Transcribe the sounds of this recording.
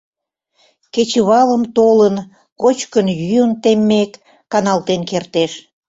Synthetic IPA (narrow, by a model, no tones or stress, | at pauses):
ket͡ɕəβɑləmt̪olən | kot͡ɕkənjyjənt̪emːekː | ɑnɑlt̪enkert̪eʃ